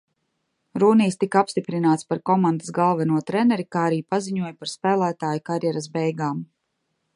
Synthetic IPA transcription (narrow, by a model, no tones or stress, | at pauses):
ɾuːniːst̪ikapst̪ipɾinaːt̪spaɾkɔmand̪asɡalˠvanuɔt̪ɾɛnɛɾikaːaɾiːpaziɲuɔjpaɾspæːlˠæːt̪aːjkaɾjɛɾas̬bɛjɡaːm